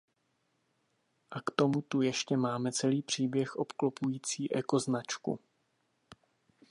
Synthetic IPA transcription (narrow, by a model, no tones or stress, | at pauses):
ʔakt̪o̞mut̪ujɛʃcɛmaːmɛt͡sɛliːpr̝̥iːbjɛxʔo̞pklo̞pujiːt͡siːʔɛko̞znat͡ʃkṵ